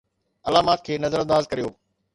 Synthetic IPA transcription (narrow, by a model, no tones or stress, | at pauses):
ɐlaːmaːt̪̚kʰeːnɐzəɾə̃nd̪aːzkɐɾijoː